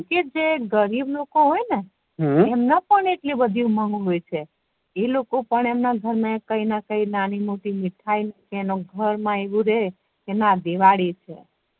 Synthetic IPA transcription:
ked͡ʒeɡəɾiblokoɦojne | emnapəɳeʈlibəd̪ʱijũməŋɡɦojt͡ʃʰe | elokopəɳemnaɡʱəɾnãkəinakəinanimoʈimiʈʰainkeːnoɡʱəɾmãeʋũɾe | kenad̪eʋaɽit͡ʃʰḛ

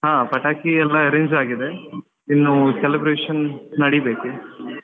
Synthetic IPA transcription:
ɦãːpɐʈaːkiɛlːɐɾeɲd͡ʒaːɡid̪e̞ | inːuselibɾeːʂɐnnɐɽibeːku

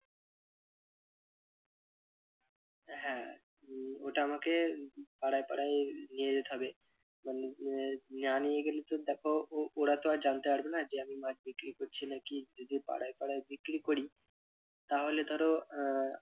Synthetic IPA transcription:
ɦɛ̃ | oʈaamakepaɽajpaɽajnijed͡ʑet̪eɦɔbe | manenanijeɡelet̪od̪ɛkʰooɽat̪oad͡ʑant̪epaɽbenad͡ʑeamimad͡ʑbikɾikoɾt͡ɕʰinakid͡ʒod̪ipa̰ɽajpaɽajbikɾikoɽi | t̪aɦoled̪ʱɔɾo

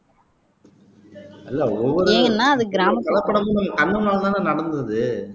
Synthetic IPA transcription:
ɐlːɐɔʋːɔɾeːŋɡɐnːaːɐðɯɡɪɾaːmɐkɐlɐpːɐɽɐmonɯkɐnːɯnaːlt̪ãːnanɐɽɐnd̪ɐðɯ

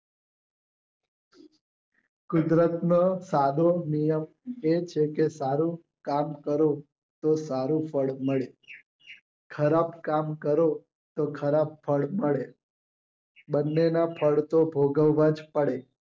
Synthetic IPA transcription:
kʊd̪ɾət̪nosad̪ʱonijəm | et͡ʃʰekesaɾũ | kamkəɾo | t̪osaɾũpʰəɭməɭe | kʰəɾabkamkəɾo | t̪okʰəɾab̚fʰəɭməɭe | bənːenapʰəɭt̪obʱoɡəʋːãd͡ʒpəɭe

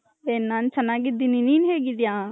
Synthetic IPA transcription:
benːãːnt͡ʃʰənãɡɪd̪ininiːnɦeɡid̪ijãː

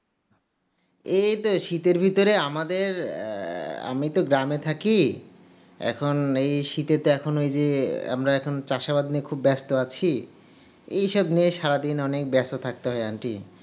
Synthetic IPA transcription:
ejt̪oʃit̪eɾbʱit̪oɾeamad̪eɾ | a̰mit̪oɡɾamet̪ʰaki | ɛ̰kʰonejʃit̪et̪oɛkʰonoejd͡ʑea̰mɾaɛkʰont͡ɕaʃabad̪nikʰubːɛst̪oat͡ɕʰi | ḛjʃɔbnieʃaɾad̪inɔnek̚bɛst̪ot̪ʰak̚t̪eɦɔeanʈḭ

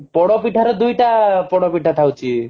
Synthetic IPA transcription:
pɔɽɔpiʈʰaɾɔd̪ujʈapɔɽɔpiʈʰat̪ʰawt͡ʃʰi

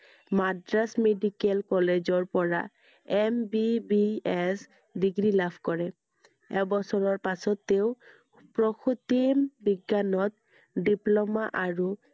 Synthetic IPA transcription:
madɹasmedikɛlkɔled͡ʑɔɹpɔɹa̰ | ɛmbibiɛs | diɡɹilabʰʱkɔɹɛ | ɛbɔsɔɹɔɹpasɔt̪ːeʊ | pɹɔkʰut̪imbiɡːanɔt̪ | diplɔmaʔaɹu

